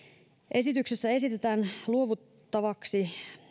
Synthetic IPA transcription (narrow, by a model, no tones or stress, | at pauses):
ʔe̞sit̪yksesːæe̞sit̪et̪æːnluo̞ʋut̪ːɑʋɑksi